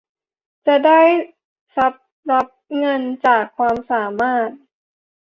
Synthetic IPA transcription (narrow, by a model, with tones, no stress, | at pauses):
t͡ɕa˨˩da˥˩j | sa˨˦p̚ | la˦˥p̚ŋɤ˧nt͡ɕaː˨˩kʰːwaː˧msaː˩˦maː˥˩t̪̚